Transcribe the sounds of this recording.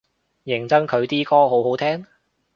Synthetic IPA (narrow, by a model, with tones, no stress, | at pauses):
jɪ˨˩ŋt͡sɐ˥ŋkʰɵ˨˧ɥt̪iː˥kɔː˥ɦo˨˥wɦo˨˥wt̪ʰɛː˥ŋ